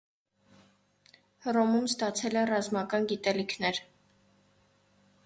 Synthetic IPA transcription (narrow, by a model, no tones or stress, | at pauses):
rɔmumst̪ɑt͡sʰɛlɛrɑzmɑkɑnɡit̪ɛlikʰnɛɾ